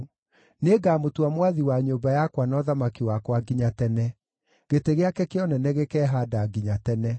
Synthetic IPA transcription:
neɡaːmotuamwaðiwaɲoːbajakwanɔðamakiwakwaɡiɲatɛnɛ | ɣeteɣeakɛkeɔnɛnɛɣekɛːɦadaɡiɲatɛnɛ

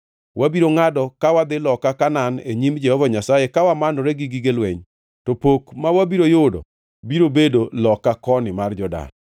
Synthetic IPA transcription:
wabiɾoŋadɔkawad̪ɪlɔkakananeɲimd͡ʒɛhɔvaɲasajekawamanoɾɛɡiɡiɡelwɛ̰ɲ | tɔpokmawabiɾojʊdɔ̰ | biɾobedolɔkːakɔnɪmard͡ʒɔda̰n

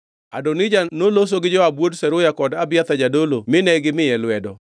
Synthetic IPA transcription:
a̰donɪd͡ʒanolos̬oɡɪd͡ʒɔabwodsɛɾʊjakɔdabɪjat̪ad͡ʒadolomɪnɛɡɪmɪjɛlwɛdɔ

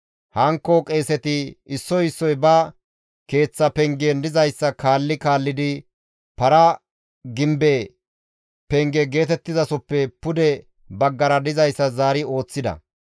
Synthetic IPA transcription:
hɐŋkːɔkʼe̞ːsɛt̪ɪɪsːɔɪsːɔjbɐ | ke̞ːt͡sːɐpɛŋɡeːnd̪ɪzɐjsːɐkaːlːɪkaːlːɪd̪ɪ | pɐɾɐ | ɡɪmbe | pɛŋɡɛɡe̞ːt̪ɛt̪ːɪzɐsɔpːɛpʊd̪ɛ | bɐɡːɐɾɐd̪ɪzɐjsːɐzaːɾɪo̞ːt͡sːɪd̪ɐ̰

